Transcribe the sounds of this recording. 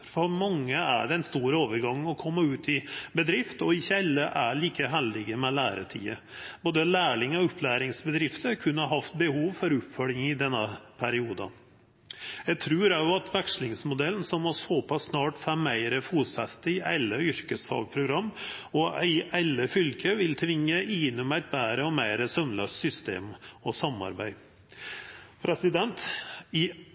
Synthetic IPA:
fɔɾmɑŋːəæ̰ɖɛnst̪uːɾəoːʋəɾɡɑŋ̩ːɔkʰɔmːəʉːt̪ɪbəd̪ɾɪft̪ɔɪçːəɛlːəʔæɭiːkəɦæld̪ɪɡəmɛlæːɾə̰ʈʰḭːə | b̥oːd̪əlæːɭɪŋɔʊpʰlæːɾɪŋsbəd̪ɾɪft̪əɾkʰʉnːəɦɑft̪̚bəhuːʋfɔɾʉpfœlɪŋɪd̪ɛnːəpʰæɾɪuːd̪ɑ̰ | jæɪt̪ʰɾʉːɾæʊɑt̪ʰʋækʂlɪŋsmʊd̪ɛln̩sɔmːɔsɔpʰɑsːnɑːʈfæmːæɪɾəfuːt̪sɛst̪əɪʔæ̰ɪlːəʏɾkəshɑ̰ːʋpʰɾʊɡɾɑmːɔʔæɪʔælːəfʏlkʰəʋɪlt̪ʰʋɪŋːəʔɪːnʊmæɪt̪̚bæːɾəɔmæɪɾəsœmløːst̪sʏst̪ḛːmɔsɑmːɑ̰ɾbæ̰ɪ | pʰɾɛsɪd̪ɛnt̪ɪ

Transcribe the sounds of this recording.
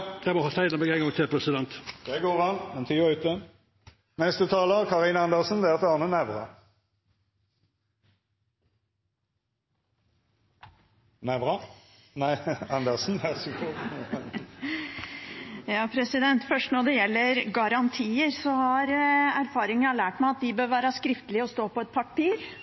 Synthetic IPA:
d̪̥æɪmɔhɑːsæɪləmɛɡæɪŋɡɔŋt̪ʰɛpʰɾɛsɪd̪ɛnt̪d̪̥ɛɡoːʁʋɑnmɛnt̪ʰyːəʉːt̪ə | nɛst̪ət̪ʰɑːləʁkʰɑʁinɑnd̪əʁsnd̪ɛæʁt̪ɑːnənæʋʁɑ̰ | næʋʁɑ | næɑnd̪əʁsn̩æʁskʰu | jɑːpʰɾɛsɪd̪ɛnt̪fœʂʈnɔɖ̪ɛjɛlːəɾɡɑɾɑnt̪ʰiːəɾsɔhɑɾæɾfɑːɾɪŋənɑlæːʈmæɪɑt̪̚d̪ɪbøːɾʋæːɾəskɾɪft̪əlɪəɔst̪oːpɔɛt̪̚pʰɑpiːɾ

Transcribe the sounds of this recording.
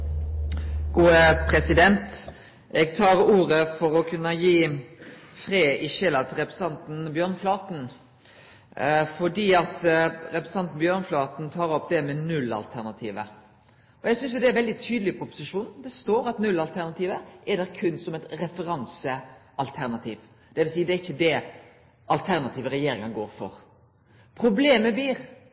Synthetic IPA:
ɡ̥uːəpʰɾɛsɪd̪ɛnt̪ | ɛɡt̪ʰɑːʁuːɾəfɔɾɔkʰʉnəjiː | fɾeːɪʃɛlɑt̪ʰɾɛpɾɛsɑnt̪n̩bjøːʁnflɑːt̪n̩ | fɔɖiːɑt̪ɾɛpɾɛsɑnt̪n̩bjøːʁnflɑːt̪n̩t̪ʰɑːɾɔpd̪ɛmɛnʉlːɑ̰lt̪ʰæʁnɑt̪ʰiːʋə | ɔjæɡsʏnsjʊd̪ɛæɾʋɛld̪ɪt̪ʰyːd̪əlɪpʰɔʊpʊ̥sɪʂuːnd̪ɛst̪oːɾɑt̪nʉlːɑlt̪ʰæɾnɑt̪ʰiːʋəʔɛd̪ɛɾkʰʉnːsɔmɛt̪ɾɛfəɾɑnsəʔɑlt̪ʰæɾnɑt̪ʰiːʋ | d̪̥ɛʋɪlsiːd̪ɛæɪçːəd̪ɛ | ʔɑlt̪ʰæɾnɑt̪ʰiːʋəɾɛjeːɾɪŋəɡoːɾfɔ̰ɾ | pʰɾʊbleːməbliːɾ

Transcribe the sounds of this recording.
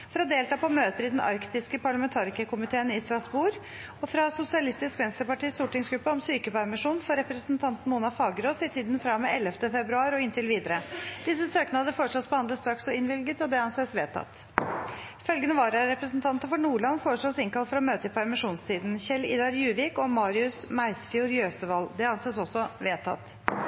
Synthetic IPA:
fɔɾɔd̪eːlt̪ɑːpʰɔmøːt̪əɾɪd̪ɛnʔɑ̰ɾkt̪ɪskəpʰɑɭɑmɛnt̪ʰɑːɾɪkəkʰʊmɪt̪ʰeːnɪst̪ɾɑsbuːɾ | ɔfɾɑsʊsɪɑlɪst̪ɪskʋɛnst̪əɾpɑʈiːst̪uːʈɪŋsɡɾʉpːəɔmsyːkəpæɾmɪʂuːnfɔɾɛpɾəsn̩t̪ʰɑnt̪nmuːnɑfɑːɡɾoːsɪt̪ʰiːd̪n̩fɾɑmeɛlːəft̪əfɛbɾʉɑːɾɔɪnt̪ʰɪlʋiːd̪əɾəd̪̥ɪsəsøːknhɑd̪əfoːɾəʂɭɔt̪sbəhɑnd̪ləst̪ɾɑksɔɪnʋɪlɡət̪ɔd̪ɛɑnseːsʋeːt̪ʰɑ̰t̪ | fœlɡənəʋɑːɾɑɾɛpɾəsnt̪ʰɑnt̪əfɔɳuːɭɑnfoːɾəʂɭoːsɪŋkɑlt̪fɾɔmøːt̪əɪpʰæɾmɪʂuːnst̪ʰiːd̪n̩çɛlɪ̰d̪ɑɾjʉːʋɪːkɔmɑːɾɪʉsmæɪsfɪuːɾjøːsəʋɑld̪ɛɑnseːsɔsːɔʋeːt̪ʰɑ̰t̪

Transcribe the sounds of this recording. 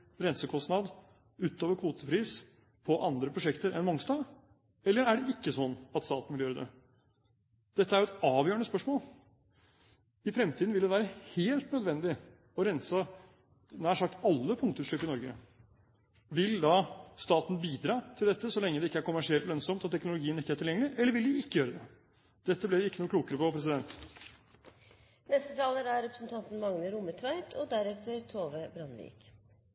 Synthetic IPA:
ɾɛnsəkʰɔst̪nɑd̪ | ʉːt̪ːoːʋəɾkʰuːt̪əpʰɾiːs | pʰɔʔɑnd̪ɾəpʰɾʊʂɛkt̪əɾɛnmɔŋst̪ɑː | ɛlːəɾæɖɛɪkːəsɔnːɑt̪st̪ɑːt̪n̩ʋɪljøːɾəd̪ɛ̰ | d̪̥ɛt̪ːəæɾjʊɛt̪ɑːʋjøːəɳəspœʂmoːl | ɪfɾɛmt̪ʰiːd̪n̩ʋɪld̪ɛʋæːɾəheːlt̪nœd̪ʋɛnd̪ɪ | ɔɾɛnsə | næʂɑkt̪ɑlːəpʰʊŋkt̪ʉːʂlʏpːɪnɔɾɡə | ʋɪld̪ɑst̪ɑːt̪n̩biːd̪ɾɑːt̪ʰɪld̪ɛt̪ːəsɔlɛŋːəd̪ɛɪkːəæɾkʊmæʂɪɛlt̪lœnsɔmt̪ɔt̪ʰɛknʊlʊɡiːənɪkːəæʈʰɪljɛŋːəlɪʔɛlːəʋɪld̪ɪɪkːəjøːɾəd̪ɛ | d̪̥ɛt̪ːəblɪɾɪkːənuːkʰluːkəɾəpɔpʰɾɛs̬ɪd̪ɛnt̪ | nɛst̪ət̪ʰɑːləɾæɾɛpɾəsnt̪ʰɑnt̪n̩mɑŋnəɾʊmət̪ʰʋæɪt̪ʰɔd̪æɾɛt̪ːəɾt̪ʰoːʋəbɾɑnʋḭːk

